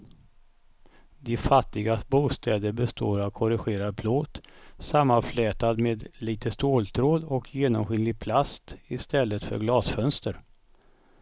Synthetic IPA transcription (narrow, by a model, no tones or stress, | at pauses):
d̪ɪfat̪ːɪɡasbuːst̪ʰɛːd̪əɾbɛst̪ʰoːɾavkʰɔɾɪɧeːɾad̪̚pʰloːt̪samːanflɛːt̪ad̪meːd̪liːt̪ʰəst̪oːlt̪ʰɾoːd̪ɔkʰjeːnɔmɧʏnlɪɡ̚pʰlast̪ɪst̪ɛlːət̪fœ̰ɾɡlɑːsfœnst̪əɾ